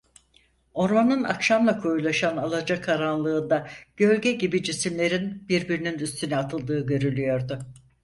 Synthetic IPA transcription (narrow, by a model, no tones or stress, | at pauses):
o̞ɾmanɯna̰kʃamlˠakʰojulˠaʃanalˠad͡ʒakʰaɾanlˠɯːnd̪aɟ̥ø̞lʲɟɛɟibid͡ʒisimlʲe̞ɾinbiɾbiɾininyst̪ʰynɛat̪ʰɯlˠd̪ɯːɟø̞ɾylʲyjo̞ɾd̪ʊ